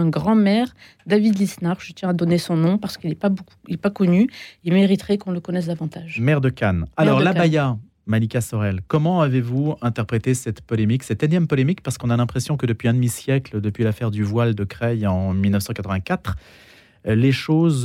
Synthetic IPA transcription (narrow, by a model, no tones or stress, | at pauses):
ɛ̃ɡʁɑ̃mɛʁ | d̪avid̪lisnaʁʒət̪jɛ̃ad̪ɔnesɔ̃nɔ̃paʁsə̥kilɛpabouilɛpakɔnyemeʁit̪χɛkɔ̃ləkɔnɛs̬d̪avɑ̃t̪aʒmɛʁd̪əkʲanalɔʁlabaja | manikasɔʁɛlkɔmɑ̃avevuɛ̃t̪ɛʁpχet̪esɛt̪pɔlemiksɛt̪ɛnjɛmpɔlemikpaʁsə̥kɔ̃nalɛ̃pχesjɔ̃kəd̪əpɥiɛ̃d̪əmisjɛkld̪əpɥilafɛʁd̪yvwald̪əkχɛjɑ̃milnəfsɑ̃kat̪χəvɛ̃kat̪χ | leʃoz